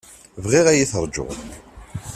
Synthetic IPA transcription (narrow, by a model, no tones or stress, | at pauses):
vʁiʁæjiθəɾˤd͡ʒʊ̰ʁ